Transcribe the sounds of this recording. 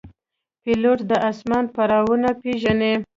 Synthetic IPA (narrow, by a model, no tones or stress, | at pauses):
piloʈd̪əʔasmɑn̚paɾɑwunapeʒane